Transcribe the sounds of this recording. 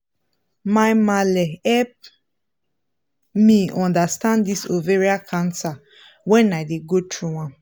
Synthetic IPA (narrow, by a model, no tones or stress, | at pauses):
maɪmalɛhɛlp̚ | miɔ̃ndastãndisoveɹiakʰãnsa | wɛ̃naɪdeɡotʰɹuã